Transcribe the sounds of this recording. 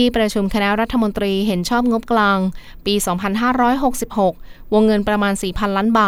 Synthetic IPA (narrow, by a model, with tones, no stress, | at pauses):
iː˧˥˩pɾa˧t͡ɕʰu˧mkʰa˧nɛ˦˥ɾa˦˥t̪ʰːa˧mo˧nt̪ɾiː˧ɦe˩˦nt͡ɕʰɔː˥˩p̚ŋo˦˥p̚klaː˧ŋ | piː˧sɔː˩˦ŋpʰa˧nɦaː˥˩ɾɔː˦˥jɦo˨˩k̚si˨˩p̚ho˨˩k̚wo˧ŋːɤ˧npɾa˧maː˧nsiː˨˩pʰa˧nlaː˦˥nbaː˨˩